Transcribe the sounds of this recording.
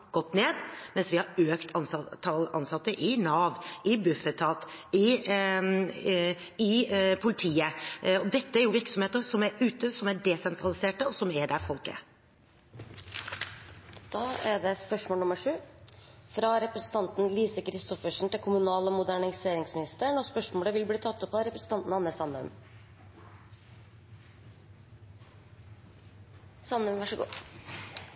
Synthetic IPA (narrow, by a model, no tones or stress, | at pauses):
ɡ̥ɔt̪ːneːd̪mɛnsʋɪhɑɾøːkt̪ʰɑnsʰɑɑnsɑt̪ːəʔɪnɑːʋɪbʉfət̪ʰːɑːt̪ɪ | ɪpʰʊlɪt̪ʰiːəɔd̪ɛt̪ːəæɾjʊʋɪɾksɔmheːt̪əɾsɔmæɾʉːt̪əsɔmæɖɛsɛnt̪ɾɑlɪseːʈəɔsɔmæɖæɾfɔlkə̰ | d̪̥ɑːæɖɛspœʂmoːlʊməʂʉːfɾɑɾɛpɾəsən̩t̪ɑnt̪nliːsəkʰɾɪst̪ɔfəʂɳ̩t̪ɪlkʰʊmʉnɑːləɔmʊd̪æɳɪseːɾɪŋsmɪnɪst̪əɳɔspœʂmoːləʋɪlbliːt̪ʰɑt̪ːɔpːɑɾɛpɾəsən̩t̪ɑnt̪n̩ɑnːəsɑnʉ̰m | sɑnʉmʋɑʂəɡṵː